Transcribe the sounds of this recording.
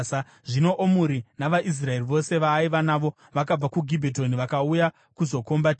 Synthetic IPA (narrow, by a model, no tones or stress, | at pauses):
a | ʐino̞ʔomuɾinaʋaʔis̬rae̞riʋo̞se̞ʋaːiʋanaːʋo̞ | ʋakab͡vakuɡʱibʱet̬o̞niʋakauja | kuzo̞ko̞mbatː